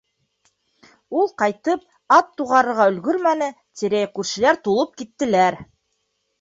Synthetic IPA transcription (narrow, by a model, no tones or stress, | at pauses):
ulˠqɑjt̪ɤp̚ | ɑt̪ːuʁɑɾɤ̆ɾʁɑɵ̆lɡɵɾmænɘ | t̪iɾæjkʉɾʃɘ̆læɾt̪ulˠɤp̚kit̪ːɘ̆læɾ